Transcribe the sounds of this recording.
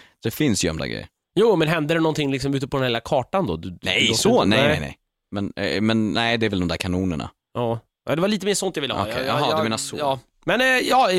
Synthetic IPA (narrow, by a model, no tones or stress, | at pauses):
d̪̥ɛfɪnsjɛ̰md̪a̰ɡɾɛ̰jːə̰ɾ | juːmɛnɦɛnd̪əd̪ɛnɔnt̪ɪŋːlɪksɔmʉːt̪əpʰɔd̪ɛnheːlakʰɑːʈand̪ɔd̪d̪ɛsɔnɛjnɛ̰nɛ̰j | mɛnmɛnnɛɪd̪ɛːɾvɛld̪ɔmd̪æɾkʰanuːnəɳa̰ | ʔɑː | a̰d̪ɛvaɭiːt̪əmeːʂɔnt̪javɪlːəɔ̰kʰɛ̰jɑɦɑd̪meːnasoɑː | mɛnjɑː